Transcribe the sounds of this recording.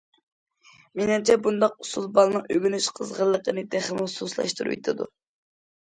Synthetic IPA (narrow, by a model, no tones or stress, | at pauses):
menɪmt͡ʃʰɛbund̪ɑq̚usulˠbɑlˠnɨŋøɡʲynyʃqʰəzʁəlˠːəqənɨd̪æχlmususlˠɑ̰ʃt̪uɾṵjt̪ʰɨd̪ṵ